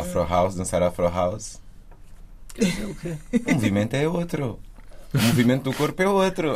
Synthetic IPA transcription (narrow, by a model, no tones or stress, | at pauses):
afɾɔʁawzlˠɐ̃saɾafɾɔɦawz | keumuvimẽnt̪uɛot̪ɾu | umuvimẽnt̪uðukoɾpɛot̪ɾu